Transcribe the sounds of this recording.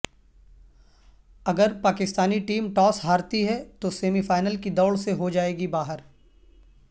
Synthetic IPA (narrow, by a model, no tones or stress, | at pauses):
ɐɡəɾpaːkɪst̪aːniʈiːmʈɔːsɦaːɾt̪iɦɛt̪oseːmifaːɪnəlkid̪ɔːɭseɦod͡ʒaːeːɡibaːɦəɾ